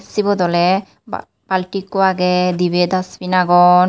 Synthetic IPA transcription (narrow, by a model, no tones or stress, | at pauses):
sibɔd̪ɔlɛ | b̥alʈikːoaɡɛd̪ibɛd̪asbinaɡɔn